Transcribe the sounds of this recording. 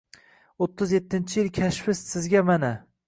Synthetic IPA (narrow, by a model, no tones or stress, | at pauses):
ot̪ʰːɪzjet̪ʰːɪnt͡ʃʰɪjɪlkʲʰaʃfɪssɪzɡʲamana